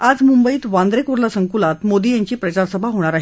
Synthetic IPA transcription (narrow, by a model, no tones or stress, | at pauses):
ad͡zmumbəiːt̪ʋãnd̪ɾekuɾlasəŋkulat̪mod̪iːjaɲt͡ɕiːpɾət͡ɕaɾsəbʱaɦoɽ̃aɾaɦi